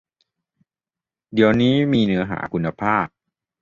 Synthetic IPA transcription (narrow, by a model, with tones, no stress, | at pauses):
di˩əwniː˦˥miː˧nɯ˦˥ɐɦa̰ː˩˦kʰu˧nːa˧pʰaː˥˩p̚